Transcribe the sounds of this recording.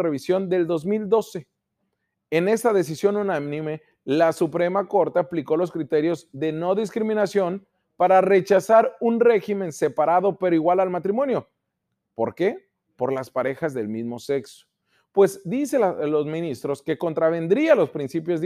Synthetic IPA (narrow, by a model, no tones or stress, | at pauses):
reβisjo̞nd̪e̞ld̪o̞zmild̪o̞se̞ | ene̞st̪aðe̞s̬isjo̞nunamnĩme̞ | lasupɾe̞mako̞ɾt̪eapliko̞lo̞s̬kɾit̪e̞ɾjo̞zðe̞no̞ðiskɾimĩnasjo̞n | paɾare̞t͡ʃasaɾunre̞ximẽ̞nse̞paɾaðo̞pe̞ɾoiɣwalalmat̪ɾimõ̞njo̞ | po̞ɾke̞ | po̞ɾlaspaɾe̞xazðe̞lmizmo̞se̞kso̥ | pwe̞zd̪iselo̞zmĩnist̪ɾo̞ske̞ko̞nt̪ɾaβ̞e̞nd̪ɾialo̞spɾinsipjo̞zð